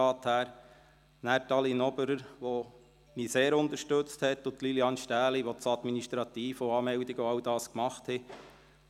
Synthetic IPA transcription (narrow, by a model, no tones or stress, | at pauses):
ɑːt̪hæːɾ | næːɾtɑlinɔbəɾəɾʋo | miseːɾʊnt̪əɾʃtɵt͡sthɛtːʊt̪liliɑːnʃtæːliʋɔt͡sɑd̪miniʃtɾɑt̪iːfɔɑːmɛwdiɡɔɑwd̥ɑːskmɑχthɛ